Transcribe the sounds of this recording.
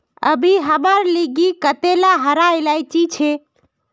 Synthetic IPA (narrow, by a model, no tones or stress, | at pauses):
ə̰bʱiɦəməɾliɡikət̪elaɦəɾaelajt͡ʃit͡ʃʰe